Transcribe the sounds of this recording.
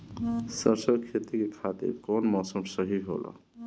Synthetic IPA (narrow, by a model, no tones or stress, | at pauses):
səɾsəɡkʰet̪ikekʰat̪ḭɾkonmɔsəmsəɦiɦo̰lʌ̰